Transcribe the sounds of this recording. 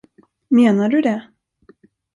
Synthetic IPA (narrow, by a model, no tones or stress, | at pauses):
meːnaɖɵd̪ɛ